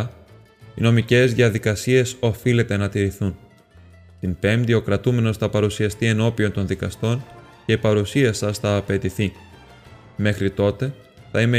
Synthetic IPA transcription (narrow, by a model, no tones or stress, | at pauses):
ino̞mice̞zðiɐðikɐsie̞so̞file̞t̪e̞nɐt̪iɾiθun | t̪impe̞md̪io̞kɾɐt̪ume̞no̞sθɐpɐɾusiɐst̪ie̞no̞pio̞nt̪o̞nðikɐst̪o̞n | ce̞ipɐɾusiɐsɐsθɐːpe̞t̪iθi | me̞xɾit̪o̞t̪e̞ | θɐime